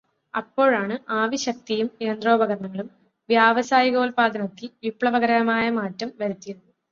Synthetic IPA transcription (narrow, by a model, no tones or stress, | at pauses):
ɐpːo̞ːɻaːɳɨaːʋiɕɐk̚t̪ijume̞ːnd̪ro̞ːbɐɣɐrɐɳɐŋːɐɭum | ʋjaːʋɐsaːjiɣo̞ːlpaːd̪ʱɐnɐt̪ːilʋipɭɐʋɐɣɐɾɐɐmaːjɐmaːtːɐmʋɐɾut̪ːijɐð